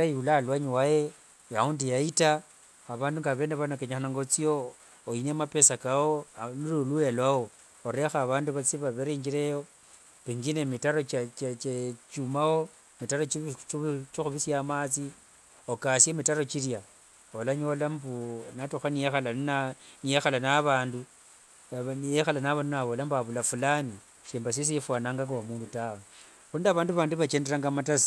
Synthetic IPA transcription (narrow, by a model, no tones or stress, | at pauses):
ajiulaːlwaɲiwaje | jaundijaita | aβaːnduŋɡaβe̞neβanokeɲaxanaŋɡot͡sio | inemape̞sakaolulolujelwao | oɾe̞xaβaːnduβat͡siβaβeɾeŋɡiɾejo | piŋɡinemitaɾot͡ʃt͡ʃt͡ʃet͡ʃumao | mitaɾot͡ʃit͡ʃt͡ʃixuβisjamaːt͡si | okasemitaɾo̞t͡ʃiɾja | olaɲo̞lambunatuxanijexalannaniexalanaβaːndu | jexalanaβaːndunaβolambaβulafulani | ʃeːmbas̬is̬ifwaːnaːŋɡaŋɡawamuːndutawe | xuːndiaβaːnduβaːnduβat͡ʃe̞ːndeɾaŋɡamatasi̥